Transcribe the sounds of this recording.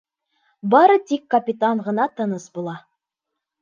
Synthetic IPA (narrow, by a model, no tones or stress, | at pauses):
bɑɾɤt̪ikːɐpʲit̪aɴʁɤ̆nɑt̪ɤ̆nɤsbulˠɑ